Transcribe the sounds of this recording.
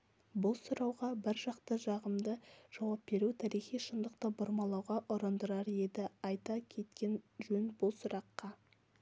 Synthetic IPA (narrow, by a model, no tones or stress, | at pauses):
bʊlˠsʊɾɑwʁɑbɪɾʒɑqt̪əʒɑʁəmd̪əʒ̥ɑwɑp̚be̞ɾut̪ʰæɾijχijʃənd̪əqt̪əbʊɾmɑlˠɑwʁɑʔʊɾənd̪əɾɑɾje̞d̪ɪɑjt̪ɑkʲʰe̞t̪kʲe̞nʒɵnbʊlˠsʊɾʔɑqːɑ